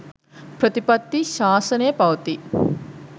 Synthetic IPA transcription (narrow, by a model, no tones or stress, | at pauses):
pɾət̪ipɐt̪ːiʃaːsɐnəjəpɐʋɐt̪i